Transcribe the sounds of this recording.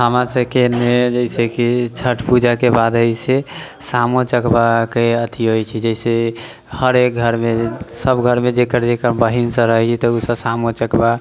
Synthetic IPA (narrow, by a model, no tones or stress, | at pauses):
ɦəmasekenmed͡ʒəisekit͡ʃʰəʈpud͡ʒakebad̪əjse | samot͡ʃəkbakeət̪ʰiɦojt͡ʃʰɛd͡ʒəise | həɾek̚ɡʱəɾmesəbɡʱəɾmed͡ʒekəɾd͡ʒekəɾbəɦinsə̃ɾəɦɛt͡ʃʰɛt̪ɔusəbsamot͡ʃəkba